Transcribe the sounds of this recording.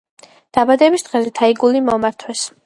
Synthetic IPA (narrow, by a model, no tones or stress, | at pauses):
d̪̥abad̪ɛbisd̪̥ʁɛzɛt̪ʰaiɡulimɔmaɾt̪ʰwɛs